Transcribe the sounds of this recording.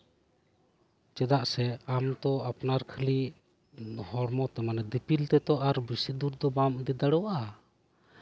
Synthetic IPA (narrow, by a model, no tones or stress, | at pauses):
t͡ʃɛd̪aʔsɛamt̪ɔapnaɾkʰəli | hɔɽmɔt̪ɛmanɛd̪ipilt̪ɛt̪ɔʔaɾbisid̪uɾd̪ɔbamd̪ɛd̪aɽɔwaʔa